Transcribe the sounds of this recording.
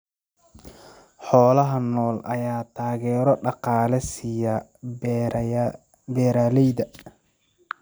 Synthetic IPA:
ħɔːlɐɦɐnɔːlʔɐ̰jaːt̪ʰaːɣɛːɾɔɖɑqɑːlɛsijɐ | bɛːɾaːlɛjðɐ

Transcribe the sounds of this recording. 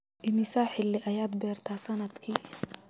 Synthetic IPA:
ʔɪmɪsaːħɪlːɪʔɐjaːd̪̚bɛːrt̪ʰaːsɐnɐd̪kʰiː

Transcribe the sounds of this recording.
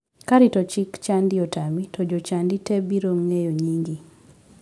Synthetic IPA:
kaɾitɔt͡ʃikt͡ʃandiɔtamitʰɔd͡ʒot͡ʃanditebiɾomŋejoɲiŋɡi

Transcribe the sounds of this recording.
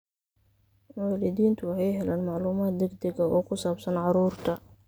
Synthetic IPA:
wɑːlɪðiːnt̪ʰʊwɑħɑjɦɛlaːnmɑʕluːmaːt̪̚d̪ɛɡd̪ɛɡɐɔːkʰʊsaːbsɐnʕɑɾuːrt̪ʰɐ

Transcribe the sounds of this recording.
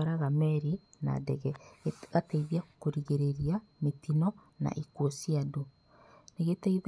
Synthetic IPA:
ɾaɣamɛɾina̰dɛɣɛɣateiðiakoɾiɣeɾeɾiametinɔ | na̰ʔikuosiado | neɣeteið

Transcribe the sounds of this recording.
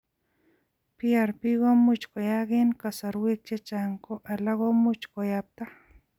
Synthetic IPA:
piaɾpiɡomut͡ʃkojaɣinkasaɾwik̚t͡ʃet͡ʃaŋkoʔalaɡomut͡ʃkojap̚t̪a

